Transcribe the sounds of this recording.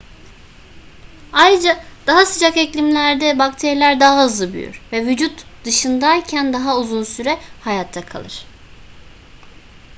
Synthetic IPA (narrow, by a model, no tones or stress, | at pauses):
ajɾɯd͡ʒad̪̥aɦasɯd͡ʒakɛclʲimlʲæɾd̪ɛbakt̪ʰeɾilʲæɾd̪aɦaɦɯzlˠɯby̰jy̰ɾ̥vɛvyd͡ʒut̪d̪ɯʃɯnd̪ajcʰænd̪aɦauzunsyɾɛhajat̪ʰːakʰa̰lˠɯɾ̝̥